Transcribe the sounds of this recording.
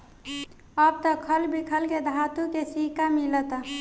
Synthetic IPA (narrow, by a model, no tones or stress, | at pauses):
əb̚t̪əkʰəlbikʰəlked̪ʱat̪ukesikamilət̪a